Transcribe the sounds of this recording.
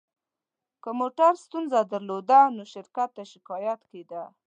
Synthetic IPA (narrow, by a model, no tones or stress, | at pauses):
kəmoʈaɾst̪unzad̪aɾlod̪anoʃɪɾkat̪ːaʃɪkɑjat̪ked̪a